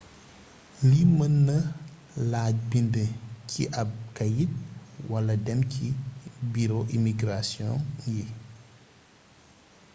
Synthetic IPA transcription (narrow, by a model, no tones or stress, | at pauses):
limənːɐ | laːc̚bindəcʰḭʔɐb̚kɐjit̚wɐlɐdɛmcibiɾoʔimiɡɾasjɔ̃ŋji